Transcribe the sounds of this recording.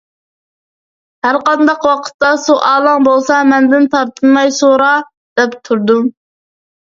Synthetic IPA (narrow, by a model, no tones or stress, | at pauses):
hæɾqɑnd̪ɑqwɑqʰə̥t̪ːɑsuʔɑːlˠɑŋbolˠsɑmɛnd̪ɪnt̪ʰɑɾt̪ʰɨnmɑjsoɾɑ | d̪̥ɛpt̪ʰuɾd̪u